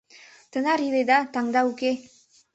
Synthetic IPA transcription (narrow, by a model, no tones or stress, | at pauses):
t̪ənɑɾilˠed̪ɑt̪ɑŋd̪ɑuke